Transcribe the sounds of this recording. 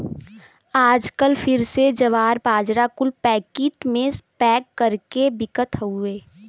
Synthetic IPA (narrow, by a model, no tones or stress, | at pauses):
aːd͡ʒkəlpʰɪɾsed͡ʒəʋaːɾbaːd͡ʒɾakʊlpɛːkiːʈmẽspɛːkːəɾkebɪkət̪ɦueː